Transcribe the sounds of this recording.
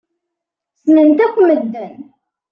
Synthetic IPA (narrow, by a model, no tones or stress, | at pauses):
snənt̪ækʷːməd̪ːən